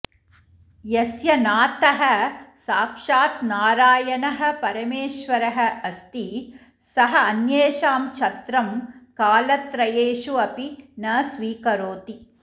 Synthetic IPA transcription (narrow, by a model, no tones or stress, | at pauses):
jɐsjɐnaːt̪ɐɦɐsaːkʂaːt̪naːɾaːjɐnɐɦɐ̆pɐɾɐmeːʃʋɐɾɐɦɐ̆ɐst̪i | sɐɦɐɐnjeːʃaːmt͡ʃʰɐt̪ɾɐmkaːlɐt̪ɾɐjeːʂuɐpinɐsʋiːkɐɾoːt̪i